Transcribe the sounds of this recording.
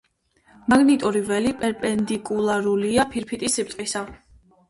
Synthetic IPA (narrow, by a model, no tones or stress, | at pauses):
maɡnit̪ʼuɾivɛlipʼɛɾpʼɛnd̪ikʼulˠaɾuliapʰiɾpʰit̪ʼisːip̚t̪ʼqʼisa